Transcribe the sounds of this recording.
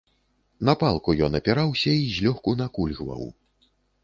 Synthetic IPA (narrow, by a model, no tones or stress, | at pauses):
nɐpalˠkujɔnɐpʲaɾawsʲɐizʲlʲɔxkunakulʲɣva̰w